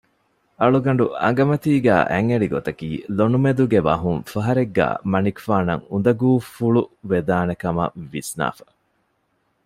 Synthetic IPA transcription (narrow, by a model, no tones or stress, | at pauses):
ɐɭuɡɐɳ̆ɖuɐ̰ŋɡɐmɐt̪iːɡæ̰ːʔæŋːeɭiɡot̪ɐkiːlonumed̪uɡeʋɐɦuŋfɐɦɐɾeɡːæ̰ːmɐnikfaːnɐ̰ŋund̪ɐɡuːfuɭuʋed̪aːnekɐmɐ̰ʋisna̰ːfɐ̥